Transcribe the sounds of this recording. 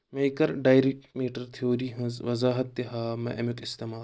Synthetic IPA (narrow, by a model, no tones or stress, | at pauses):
meikɐɾɖaːjɾik̚ʈmiːʈɐɾt̪ʰioːɾiːɦɐ̃zʋɐzaːɦɐt̪ːeɦaːmɐ̰̃ʔɐmukist̪emaː